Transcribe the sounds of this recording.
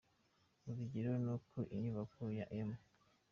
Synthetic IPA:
uziɟiɾonukʰoʔiɲuβakojaʔema

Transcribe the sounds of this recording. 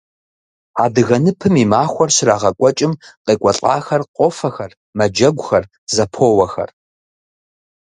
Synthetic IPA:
aːdɨɣɐnɨpʰɨmiːmaːxʷɔrɕɪraːʁɐkʷʼɔt͡ʃʼɪmqeːkʷʼɔɬʼa̰ːxɐrqʷʼɔfɐxɐr | mɐd͡ʒɐɡʷʊxɐr | zɐpʰoːwɐxɐ̰r

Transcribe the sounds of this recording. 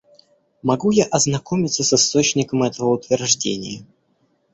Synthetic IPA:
mɐɡujaʔɐznɐko̞mʲɪt̪səsɨst̪o̞t͡ɕnʲɪkəmɛt̪əvəʊt̪vʲɪrʐdʲenʲɪ̰jə

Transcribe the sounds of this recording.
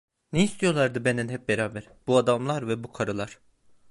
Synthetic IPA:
neist̪ʰijo̞lˠaɾd̪ɯbend̪ænɦɛp̚beɾaːbæɾ | b̥uad̪amlˠaɾvɛbukʰaɾɯlˠaɾ̥

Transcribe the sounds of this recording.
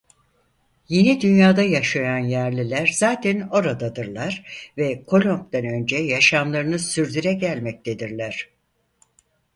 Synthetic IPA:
je̞nid̪ynjaːd̪ajaʃajanjæɾlʲilʲæɾzaːt̪ʰæno̞ɾad̪ad̪ɯɾlˠaɾ̥vɛkʰo̞lʲo̞mp̚d̪ænø̞nd͡ʒɛjaʃamlˠaɾɯnɯsyɾd̪yɾɛɟælʲmɛc̚t̪ʰed̪iɾlʲæɾ̝̥

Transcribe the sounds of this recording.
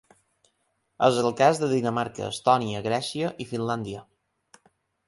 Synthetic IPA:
əzəlˠkazðəðinəmaɾkə̰ːst̪ɔniəɣɾɛsiəʔifinland̪iə

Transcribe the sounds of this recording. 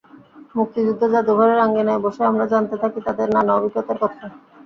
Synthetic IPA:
muk̚t̪id͡ʑud̪ʱːod͡ʑad̪ubʱaɾeɾaŋɡenɛeboʃeamɾad͡ʑant̪et̪ʰakit̪ad̪eɾnanaobʱikːot̪aɾkɔt̪ʰa

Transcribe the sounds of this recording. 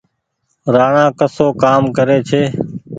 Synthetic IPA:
ɾaːɳãːkəsoːkaːmkəɾeːt͡ʃʰeː

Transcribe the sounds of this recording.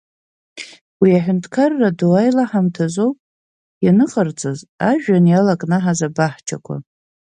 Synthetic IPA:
wiaħʷᶣʊntʰʼkʰarːadowajlaħamtʰazo̞wpʼ | janɨχʼart͡sʼazaʒᶣanjalakʼnɨħazabaħt͡ʃʰa̰kʷʰa̰

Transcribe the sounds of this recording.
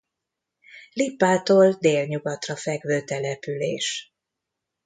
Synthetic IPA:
lipːaːt̪oːld̪eːlɲuɡɒt̪rɒfɛɡvøːt̪ɛlɛpyleːʃ

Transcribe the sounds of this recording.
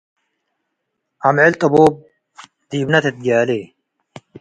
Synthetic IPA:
ɐmʕɪlt̪ʼɐboːb̚ | d̪̥iːbnɐt̪ʰet̪̚ɡaːleː

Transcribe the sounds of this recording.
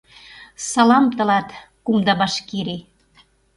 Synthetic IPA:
sɑlɑmt̪ɤ̆lɑt̪ | kumd̪ɑbɑʃkeɾe

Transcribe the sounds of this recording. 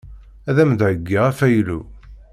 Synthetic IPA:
æðæmd̪ʕəɡːiʁæfæjlṵ

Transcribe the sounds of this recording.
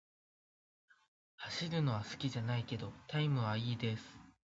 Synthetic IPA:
haɕiɾɯ̟no̞β̞asɨ̥kʲiʑanaike̞d̪o̞t̪aimɯ̟βaiːd̪e̞sɨ̥

